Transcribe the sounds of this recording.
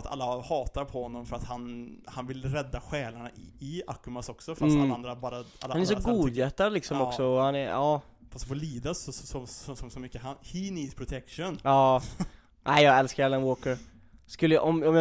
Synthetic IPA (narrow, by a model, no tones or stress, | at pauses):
at̪ʰa̰lːahɑːt̪aɾpʰɔhɔnːɔmfœɾat̪hanhanvɪlɾɛd̪ːaɧɛːlaɳaɪa̰kːʉmasɔksɔfɾasand̪ɾabɑːɾahalːanɛɾʂɔɡuːd̪jɛt̪ːad̪lɪksɔmɔksɔɔhanɛɾɑː | fast̪fɔliːd̪asɔsɔsɔsɔsɔmʏkːəhahiniːd̪spʰɾʊt̪ʰɛkʂɔnɑː | ʔæɪjɑːɡɛlskaɾalənwoːkəɾ | skɵlːəjʔɔmɔmj